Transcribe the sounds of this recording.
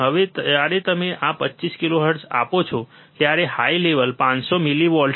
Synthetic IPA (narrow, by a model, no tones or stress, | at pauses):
ɦəʋeaɾet̪əmeʔapətːt͡ʃiskiloɦəɾʈsa̰pot͡ʃʰo | t̪jaɾehaileʋəlpãt͡ʃsomiliʋɔɭɖ